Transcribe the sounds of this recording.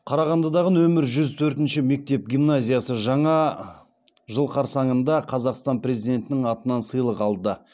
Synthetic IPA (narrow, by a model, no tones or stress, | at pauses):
qʰɑɾɑʁɑnd̪ɑd̪ɑʁənwɵmɪɾʒʏzt̪ʰɵɾt̪ɪnʃɪme̞k̚t̪e̞p̚ɡʲijmnazʲijasəʒɑɴɑ | ʒəlˠqʰɑɾsɑɴənd̪ɑqʰɑzɑqst̪ɑnpre̞zijd̪e̞nt̪ɪnɪŋɑt̪ənɑnsəjlˠəqɑlˠd̪ə